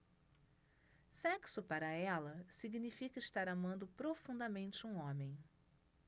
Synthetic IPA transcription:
sɛksʊpaɾɐɛlɐsiɡnifikɐɪst̪aɾamɐ̃nd̪ʊpɾofũnd̪ɐmẽnt͡ʃɪũõmẽj̃

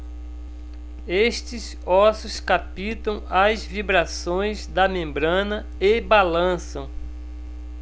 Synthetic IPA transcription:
est͡ʃɪz | ɔsʊskapit̪ɐ̃w̃azvibɾasõj̃zd̪ɐmẽmbɾɐ̃nɐ | ebalɐ̃sɐ̃w̃

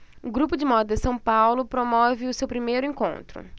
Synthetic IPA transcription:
ɡɾupʊd͡ʒɪmɔd̪ɪsɐ̃w̃pawlʊpɾomɔvɪʊsewpɾimejɾʊẽŋkõ̰nt̪ɾʊ̰

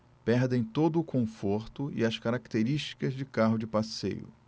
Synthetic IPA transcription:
pɛɾd̪ẽj̃t̪od̪ʊːkʰõfoɾt̪ʊɪ̰ɐskaɾakt̪eɾiʃt͡ʃi̥kɐzd͡ʒɪkaɦʊd͡ʒɪpasḛjʊ̰

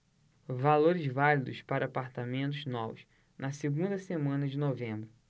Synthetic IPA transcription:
valoɾɪzvalid̪ʊspaɾɐːpaɾt̪amẽnt̪̬ʊznɔvʊs | nʔɐseɡũnd̪ɐsemɐ̃nɐd͡ʒɪnovẽmbɾʊ

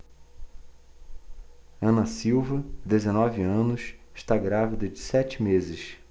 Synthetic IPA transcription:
ɐ̃nɐsiwvɐd̪ezenɔviɐ̃nʊsɪʃt̪aɡɾavid̪ɐd͡ʒɪsɛt͡ʃɪmezɪs

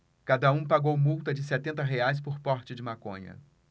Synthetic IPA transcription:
kad̪ɐũpaɡowmuwt̪ɐd͡ʒɪsɛt̪ẽnt̪ɐɦeajs̬pʊɾpɔɾt͡ʃɪd͡ʒɪmakõ̰ɲɐ̰

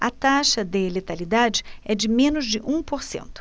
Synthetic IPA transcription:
ɐt̪aʃɐd̪elet̪alid̪ad͡ʒɪɛd͡ʒɪmẽnʊzd͡ʒɪʔũpoɾsḛ̃nt̪ʊ̥

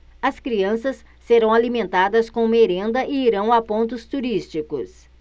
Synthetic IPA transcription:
ɐskɾiɐ̃sɐsːeɾɐ̃w̃alimẽnt̪ad̪ɐskõũmeɾẽnd̪ɐʔɪiɾɐ̃w̃apõnt̪̬ʊst̪uɾist͡ʃikʊ̰s

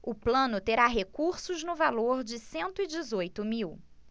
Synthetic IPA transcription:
ʊplɐ̃nʊt̪eɾaɦekuɾsʊznʊvaloɾd͡ʒɪsẽnt̪ʊid͡ʒɪzojt̪ʊmiw

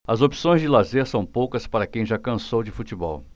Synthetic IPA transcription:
ɐzopi̥sõj̃zd͡ʒɪlazeɾsɐ̃w̃powkɐspaɾɐkẽj̃ʒakɐ̃sowd͡ʒɪfut͡ʃibɔ̰w

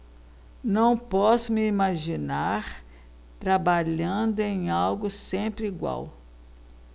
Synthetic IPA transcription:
nɐ̃w̃pɔsʊmɪimaʒinaɾ | t̪ɾabaʎɐ̃d̪ʊẽj̃awɡʊsẽpɾɪiɡwa̰w

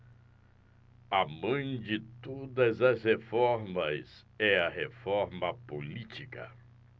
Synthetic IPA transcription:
ɐmɐ̃j̃d͡ʒɪt̪od̪ɐzɐzhefɔɾmɐs | ɛɐɦefɔɾmɐpolit͡ʃikɐ̰

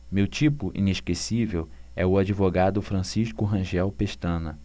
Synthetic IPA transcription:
mewt͡ʃipʊʔḭ̃neʃkesivewɛʊad͡ʒivoɡad̪ʊfɾɐ̃siʃkʊɦɐ̃ʒɛwpeʃt̪ɐ̃nɐ

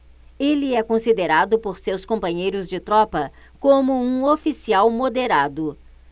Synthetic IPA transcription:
eliɛkõsid̪eɾad̪ʊpoɾsewskõmpɐ̃ɲejɾʊzd͡ʒɪt̪ɾɔpɐ | kõmʊũofisiawmod̪eɾad̪ʊ

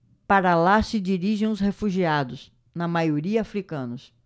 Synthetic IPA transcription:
paɾɐlasɪd͡ʒiɾiʒẽʊshefuʒiad̪ʊs | nɐmajoɾiɐafɾikɐ̃nʊs

